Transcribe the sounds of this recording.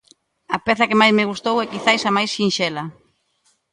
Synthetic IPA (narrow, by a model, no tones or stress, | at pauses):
ɐpɛθɐkemajzmeɣust̪owɛkiθajsamajsʃinʃɛlɐ